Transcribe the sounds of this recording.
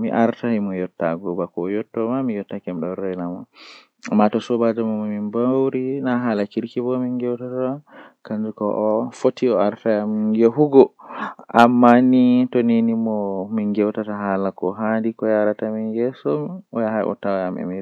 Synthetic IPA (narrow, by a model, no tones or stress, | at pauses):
miʔaɾtahimɔjɔtːa̰ɡɔbakɔjɔtːɔmamijɔtːakɛmɗɔɾɛnama | matɔsɔbad͡ʒamamɔmimbawɾinaɦalakiɾkibɔminɡɛwtatakand͡ʒukɔʔɔfotːiɔaɾtajamiɡeɦuɡɔʔamːanitoninimɔmiŋɡɛwtataɦalakɔɦandikɔjaɾatamiŋɡɛsɔmɔjahajʔɔ̰tawjamɛ̰mi